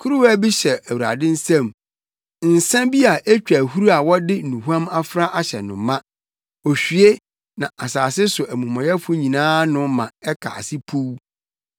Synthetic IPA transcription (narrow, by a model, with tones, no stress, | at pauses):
kʰu˦ɾu˦wæ˦bi˦ɕɛ˨æ˨wu˨ɾa̰˨dɪ̃˦n̩˦sã˦m | n̩˨sã˦mbi˦a˨ʔe˦t͡ɕᶣæ˨hu˦ɾu˦a˨wɔ˦dɪ˦˨nũ˨hu˦ã˦ma˦fɾa˦ʔa˨ɕɛ̰˨nʊ̃˨mːã˦ | ɔ˨ɕᶣɥe˦ | nã˨ʔa˨saː˨sɪ˦sʊ˨ʔæ˨mũ˨maɔ̃˨jɛ˦fʊ˦ɲĩ˨nãː˦nʊ̃˦mã˨ɛ˦kʰa̰˨a̰˨sɪ˦pʰu˦w